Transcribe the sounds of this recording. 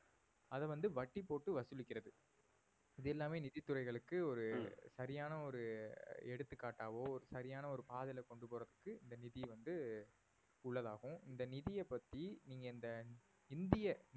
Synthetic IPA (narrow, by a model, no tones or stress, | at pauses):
ɐðɛʋɐnd̪ɯʋɐʈːipːoːʈːɯʋɐsɯlɪkʲːɪɾɐðɯ | ɪðɛlːaːmeːnɪðɪt̪ːɯrɐɪɣɐɭɯkːɯɔɾɯsɐɾɪjaːnɐɔɾɯɛɽɯt̪ːɯkːaːʈːaːʋoːɔɾɯsɐɾɪjaːnɐɔɾɯpaːðɪlɐkɔɳɖɯpoːɾɐðɯkːɯɪnd̪ɐnɪðiʋɐnd̪ɯ | ʊɭːɐðaːɣɯ̃ɪnd̪ɐnɪðɪjɛpːɐt̪ːiniːŋɡɐɪnd̪ɐ | ɪnd̪ɪjɐ